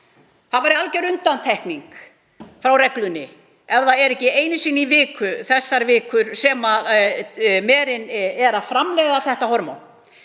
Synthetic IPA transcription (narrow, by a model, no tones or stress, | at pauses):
θaðvaːɾɪalcɛɾʏnt̪ant̪ʰɛhkniŋk | fɾawrɛklʏnɪ | ɛvðaɛɾɛhcɪeːjnɪsiːnːivɪːkʏθɛsːaɾvɪːkʏɾ̥sɛmað | mɛːɾɪnɛɾafɾamlɛɣðaθɛht̪ahɔɾmo̰wn